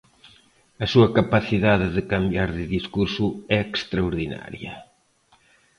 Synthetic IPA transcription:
ɐsuɐkapaθiðaðɪðɪkambjaɾðɪðiskuɾsʊɛekst̪ɾaoɾðina̰ɾjɐ̰

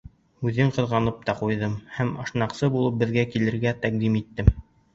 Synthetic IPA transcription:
ʉðɘɴqɤ̆ðʁɑnɤp̚t̪ɑqujðɤmhæmɤ̆ʃnɑqsɤbulˠɤp̚bɘ̆ðɡækilɘ̆ɾɡæt̪æq̚d̪imit̪ːɘm

